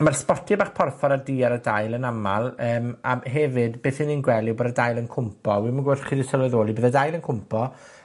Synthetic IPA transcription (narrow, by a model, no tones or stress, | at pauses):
marspɔtʰibaːχpʰɔrfɔɾadiːaɾadajlˠənamalˠəːmaɦɛvɨdbeːθiniːnɡwɛlˠɪwboːdədajlˠənkʰʊmpʰɔwimanɡʊɬχiːdisəlwɛðoːlˠibeːðədajlˠənkʰʊmpʰɔ